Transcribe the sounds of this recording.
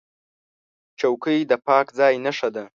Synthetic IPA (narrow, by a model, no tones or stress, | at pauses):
t͡ʃawkəjd̪əpɑkd͡zɑjnaʂad̪a